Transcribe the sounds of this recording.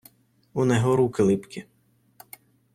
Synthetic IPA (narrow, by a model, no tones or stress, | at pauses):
unɛɦɔɾukɪlˠɪpkʲɪ